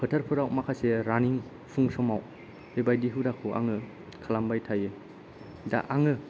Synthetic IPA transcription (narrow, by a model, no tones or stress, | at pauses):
pʰɯtʰaɾpʰɯɾawmakʰaseɾaniŋ | pʰuŋsɔmaw | bebajdiɦɯdakʰɯʔa̰ŋɯ | kʰalambajtʰajɯ | da̰ʔaŋɯ